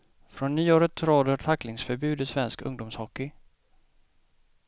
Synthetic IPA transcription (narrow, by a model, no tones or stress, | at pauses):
fɾɔnːyːoːɾət̪ʰːɾoːd̪ət̪ʰakːlɪŋsfœɾbʉ̟ːd̪ɪsvɛnskɵ̰ŋd̪ʊmshɔkːɪ